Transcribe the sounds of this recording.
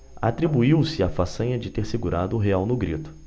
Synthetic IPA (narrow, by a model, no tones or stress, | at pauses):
a̰t̪ɾibuiwsɪafasɐ̃ɲɐd͡ʒɪt̪eɾsɪɡuɾad̪ʊːɦeawnʊɡɾit̪ʊ̥